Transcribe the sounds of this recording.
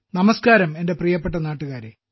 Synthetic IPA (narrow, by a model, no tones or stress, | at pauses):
nɐmɐskaːɾɐme̞nde̞prijɐpːe̞ʈ̬ːɐnaːʈːuɣaːɾe